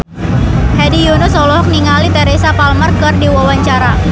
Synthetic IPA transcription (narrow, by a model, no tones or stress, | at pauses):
hadijonɔsɔlɔɦɔk̚niŋalit̪eɾesapalmərkərdiwawaɲt͡ʃaɾa